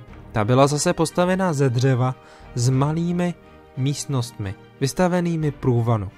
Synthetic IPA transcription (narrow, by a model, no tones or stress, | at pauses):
t̪abɪlazasɛpo̞st̪avɛnazɛdr̝ɛva | zmaliːmɪ | miːst̪no̞st̪mɪ | vɪst̪avɛniːmɪpɾuːvanu